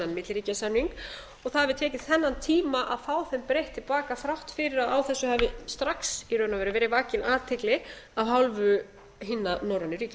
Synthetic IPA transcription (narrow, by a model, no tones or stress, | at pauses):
anmɪt̪lɾiːcasanːiŋk | ɔɣθaðavɪt̪ʰɛːcɪ̥θɛnːant̪ʰiːmaʔaðfaːwθɛmpɾejht̪ʰːɪlpaːkaθɾawht̪fɪɾɪɾaðawθɛsːʏhavɪst̪ɾaksirœːɥnavɛːɾʏvɛːɾɪvaːcɪnaːt̪ʰɪklɪaɦawlvʏ | ɦɪnːanowɾanʏɾiːcɪ